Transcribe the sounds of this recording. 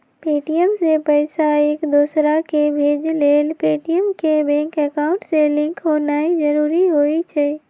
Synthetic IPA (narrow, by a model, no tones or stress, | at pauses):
peːʈijəmsepəɪsaeːkd̪uːsɾakebʱeːd͡ʒleːlpeːʈijəmkebɛ̃ːŋkɛkaːʊ̃ɳʈselɪ̃ŋkɦoːnaːid͡ʒəɾuːɾiɦoːit͡ʃʰɛː